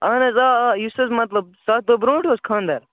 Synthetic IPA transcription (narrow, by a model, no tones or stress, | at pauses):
ɐnɐzajusɐzmɐt̪lɐb̚sad̪obɾõːʈoskʰãːnd̪ɐɾ